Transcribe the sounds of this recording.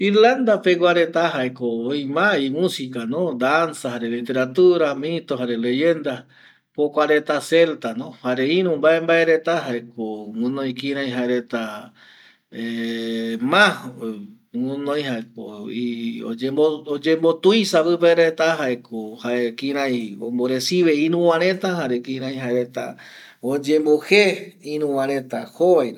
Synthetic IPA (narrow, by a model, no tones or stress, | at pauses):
iɾland̪apeɡʷaɾet̪aɦaekoːjmaimũsikanõd̪ansahaɾelit̪e̞ɾat̪uɾamĩt̪oɦaɾele̞jend̪a | pokʷaɾet̪aselt̪anõhaɾeĩɾũmbaembaeɾet̪aɦaekoŋũnõj̃kĩɾ̃ãj̃ɦaeɾet̪a | e | mã | wunõj̃ɦaekoio̰d͡ʒebood͡ʒembo̞t̪ujsapɨpeɾet̪aɦaekohaekĩɾ̃ãjomboɾesiβeĩɾũwãɾ̃ẽt̪ahaɾekĩɾãj̃ɦaeɾet̪a̰ | od͡ʒẽ̞mboheĩɾ̃ũwãɾ̃ẽt̪ahoβajɾ